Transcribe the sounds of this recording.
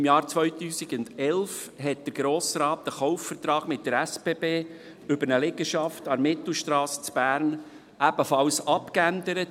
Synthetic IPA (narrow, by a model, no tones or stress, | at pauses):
mjɑːɾt͡sʋœʏt̪yːsiɡʊndɛlfɦɛt̚d̥̪əɾɡɾoːsɾɑːt̚d̥̪əχɔʊfːəɾt̪ɾɑːɡ̥mɪt̚dəɾæspeːbeː | ʏbəɾnəlɪɡəʃɑftɑɾmɪt̪l̩ʃtɾɑːsə̥t͡sb̥æːɾn | ʔæbəfɑlsɑpkændəɾət